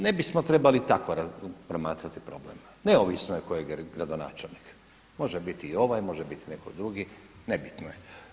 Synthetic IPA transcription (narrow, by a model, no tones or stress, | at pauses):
ne̞bismot̪ɾe̞balit̪akoɾapɾomaːt̪ɾat̪ipɾoblḛm | neoʋisnojekojeɡɡɾad̪ona̰ːt͡ʃelnik | mo̞ʒebit̪iːo̞ʋajmo̞ʒebit̪inekod̪ɾuɡinebit̪noje